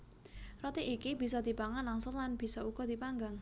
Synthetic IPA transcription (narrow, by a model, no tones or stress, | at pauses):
rɔt̪iʔikib̥i̤sɔd̪̥i̤paŋanlaŋsʊnlanb̥i̤sɔuɡ̥ɔd̪̥ipaŋɡaŋ